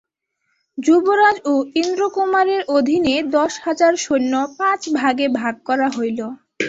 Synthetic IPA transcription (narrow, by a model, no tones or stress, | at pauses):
d͡ʑuboɾad͡ʑoind̪ɾokomaɾeɾʔod̪ʱined̪ɔʃhad͡ʑaɾʃonːopãt͡ɕbʱaɡebʱaɡ̚kɔɾaɦojlo